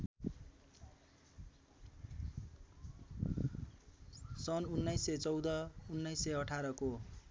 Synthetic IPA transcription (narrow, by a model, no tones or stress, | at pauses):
sʌnunːʌjset͡sʌwd̪ʌunːʌjseʌʈʰaɾʌko